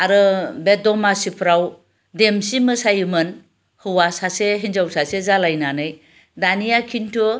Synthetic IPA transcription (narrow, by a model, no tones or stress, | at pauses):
aɾɯbedɔmasipʰɾaw | demsimɯsajɯmɯn | hɯwasaseɦinzawsasezalajnanɯj | danijakʰintʰɯ